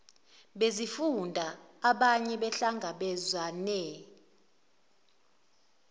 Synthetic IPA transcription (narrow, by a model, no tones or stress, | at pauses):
ɓezifundʱaaɓaɲɛɓɛɬaŋɡʱaɓɛzwanɛ